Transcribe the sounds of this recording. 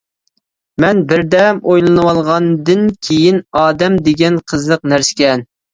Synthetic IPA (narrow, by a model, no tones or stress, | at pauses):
mɛnbɪɾd̪ɛmojlˠɨnɨwɑlˠʁɑnd̪ɨnkʲʰejinɑːd̪ɛmd̪ɪɡʲɛnqʰəzəq̚næɾsɪ̥kʲɛn